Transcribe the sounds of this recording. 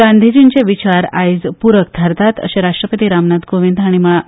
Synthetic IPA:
and̪ʱid͡ʑint͡ɕeʋit͡ɕaɾa̰jd͡zpuɾək̚t̪aɾt̪at̪ə̰ɕeɾaʂʈɾəpət̪iɾamnad̪ɡoʋind̪ʱaɽ̃iməɭa

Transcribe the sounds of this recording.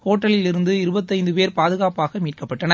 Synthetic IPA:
hoːʈːɐlɪlɪɾɯnd̪ɯɪɾɯbɐt̪ːɐɪnd̪ɯpeːɾpaːðɯɣaːpaːɣɐmiːʈ̚kɐpːɐʈːɐnɐ

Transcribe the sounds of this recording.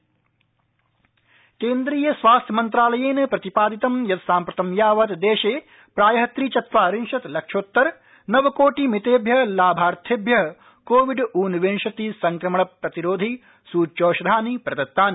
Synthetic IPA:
keːnd̪ɾiːjɐsʋaːst̪ʰjɐmɐnt̪ɾaːlɐjeːnɐpɾɐt̪ipaːd̪it̪ɐmjɐt̪saːmpɾɐt̪ɐmjaːʋɐt̪d̪eːʃeː | pɾaːjɐɦɐt̪ɾiːt͡ʃɐt̪ʋaːɾinʃɐt̪lɐkʂoːt̪ːɐɾ | nɐʋɐkoːʈimit̪eːbʱjɐlaːbʱaːɾt̪ʰeːbʱjɐɦ | koːʋiɖuːnʋeːnʃɐt̪isɐŋkɾɐmɐɳɐpɾɐt̪iɾoːd̪ʱi | suːt͡ʃoːʃɐd̪ʱaːnipɾɐd̪ɐt̪ːaːni

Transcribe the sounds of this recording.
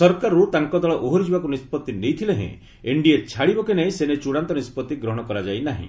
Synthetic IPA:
sɔɾkaɾut̪aŋkɔd̪ɔɭɔʔoɦoɾid͡ʒʱibakunispɔt̪ːinejt̪ʰilẽɦḛ̃ | eɳɖieɾt͡ʃʰaɽibɔkenaĩsenet͡ʃuɽant̪ɔnispɔt̪ːiɡɾɔɦɔɽ̃ɔkɔɾad͡ʒajnaɦḭ̃

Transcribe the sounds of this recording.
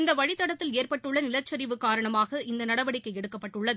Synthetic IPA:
ɪnd̪ɐʋɐɻɪt̪ːɐɽɐt̪ːɪleːrpɐʈːɯɭːɐnɪlɐt͡ʃːɐɾɪʋɯkːaːɾɐɳɐmaːɣɐʔɪnd̪ɐnɐɽɐʋɐɽɪkːɐɛɽɯkːɐpːɐʈːɯɭːɐðɯ

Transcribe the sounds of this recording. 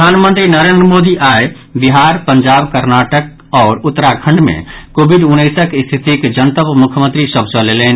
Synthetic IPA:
pəaːnmə̃nt̪ɾinəɾend̪ɾəmod̪iʔae | biɦaɾpəɲd͡ʒabkəɾnaʈək̚ | ɔːɾʊt̪ːɾakʰə̃ɳɖmḛ̃kobʱiɖunːəɪsəkɪst̪ʰit̪ikd͡ʒənt̪əpmʊkʰjəmə̃nt̪ɾisəbʱsəleleːn

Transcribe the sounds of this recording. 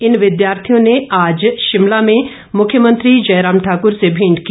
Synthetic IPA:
ɪnʋɪd̪jaːɾt̪ʰijõneʔaːd͡ʒʃɪmlamẽ | mʊkʰjəmə̃nt̪ɾid͡ʒɐːɾaːmʈʰaːkʊɾsebʱĩːɳɖki

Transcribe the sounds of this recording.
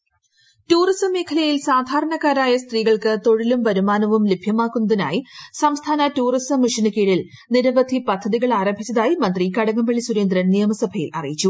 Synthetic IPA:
tuːrisɐmːeːkʰɐlɐjilsaːd̪ʱaːɾɐɳɐkːaːɾaːjɐst̪riːɣɐɭkɨt̪o̞ɻilumpɐɾumaːnɐʋumlebʱjɐmaːkːunːɐðina̰ːjisɐmst̪ʰaːnɐtuːrisɐmːiʂinɨkiːɽil | niɾɐʋɐd̪ʱipɐd̪ʱːɐðiɣɐɭaːɾɐmbʱit͡ɕːɐðaːjimɐnd̪rikɐɽɐŋɐmbɐɭisuɾeːnd̪ɾɐnijɐmɐsɐbʱɐjḭlʔɐ̰rijit͡ɕːu

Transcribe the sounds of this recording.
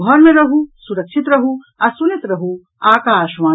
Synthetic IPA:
ɡʱɔɾmẽɾɐɦusuɾɐkʃʰit̪ɾɐɦu | ɐsunit̪ɾɐɦu | aːkaːʃʋaː

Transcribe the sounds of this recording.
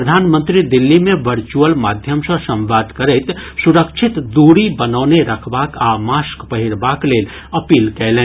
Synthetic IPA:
pɾəd̪ʱaːnmə̃nt̪ɾid̪ɪlːimẽʋəɾt͡ʃuəlmaːd̪ʱjəmsə̃sɐ̃mʋaːd̪ʱkɐɾɛɪt̪sʊɾəkʃʰɪt̪d̪uːɾibɐnaːneɾɐkʰbaːkaːmaːskpɐɦɪɾbaːkleːl | ɐpiːlkɛːlẽː

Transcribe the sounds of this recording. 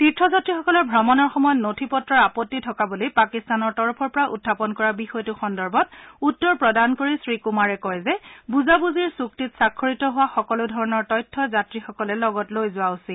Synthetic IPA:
titɹɔzatɹixɔkɔlɔɹbʱɹɔmɔnɔɹxɔmɔjɔtnotʰipɔtɹɔɹapɔtːitʰɔkabulijpakistanɔɹtɔɹɔpʰɔɹpɔɹaʔṵdʱːapɔnkɔɹabixɔjtʊxɔndɔɹbɔt̚utːɔɹpɹɔdankoɹisɹikumaɹɛkɔjzɛbuzabuziɹsuk̚titsakʰːɔɹitɔɦʊwaxɔkɔlʊdʱɔɹɔnɔɹtɔjtʰːɔzatɹixɔkɔlɛlɔɡɔtlojzʊwausi

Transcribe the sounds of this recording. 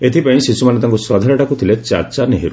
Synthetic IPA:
et̪ʰipaĩsisumanet̪aŋkuswɔd̪ʱaɾaʈakut̪ʰilet͡ʃa̰ɾt͡ʃaɾneɦiɾu

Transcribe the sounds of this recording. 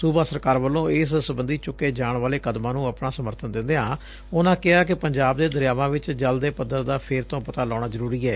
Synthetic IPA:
suːbaːsəɾkaːɾʋəlːõːɪssəbənd̪iːt͡ʃʊkːeːd͡ʒaːɳʋaːleːkəd̪mãːnũːəpnaːsəməɾt̪ʰənd̪ɪ̃nd̪eãː | ʊnãːkɪaːk̬ɪpəɲd͡ʒaːbd̪eːd̪əɾjaːʋãːʋɪt͡ʃd͡ʒəld̪eːpəd̪ːəɾd̪aːpʰeːɾt̪õːpət̪aːlɔːɽ̃aːzəɾuːɾiːɛː

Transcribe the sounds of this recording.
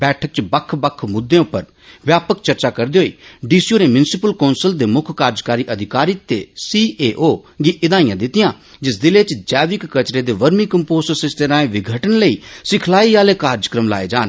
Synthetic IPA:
bɛːʈʰək̚t͡ʃbəkʰːbəkʰːmʊd̪ːẽʊpːəɾ | ʋjaːpəkt͡ʃəɾt͡ʃakəɾd̪eːɦoːiːɖiːsioːɾemjʊnsɪpəlkɔːnsəld̪eːmʊkʰkaːɾd͡ʒkaːɾiʔəd̪ʱɪkaːɾit̪esiːeːʔoːɡiʔɪd̪ãːĩjãːd̪ɪt̪ɪjãː | d͡ʒɪs̬d̪ɪlet͡ʃd͡ʒɛːʋɪkːɐt͡ʃɾeːd̪eːʋəɾmikə̃mpoːsəsɪst̪eɾãːẽʋɪɡʱəʈənləiːsɪkʰlaːiaːlekaːɾd͡ʒkɾəmla̰ːeːd͡ʒaːn

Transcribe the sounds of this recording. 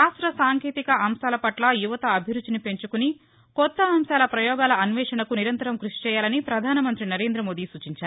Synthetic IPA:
aːsʈɾɐsaːŋkeːt̪ikɐʔɐmʃaːlɐpɐʈlɐjuʋɐt̪ɐːbʱiɾud̪ːinipe̞ɲt͡ʃukuni | kɔt̪ːɐːmʃaːlɐpɾɐjɔːɡaːlɐɐnʋɛːʂɐnɐkuniɾɐnt̪ɐɾɐmkɾuʂi̥t͡ʃɛːjaːlɐnipɾɐd̪ʱaːnɐmɐnt̪ɾinɐɾe̞ːnd̪ɾɐmo̞ːd̪iːsuːt͡ʃiɲt͡ʃaːɾ

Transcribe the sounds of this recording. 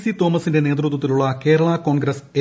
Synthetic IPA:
sit̪o̞ːmɐsinde̞ne̞ːt̪̬rut̪̬ːwɐt̪ːiluɭːɐke̞ːɾɐɭɐko̞ːɳɡɾɐse

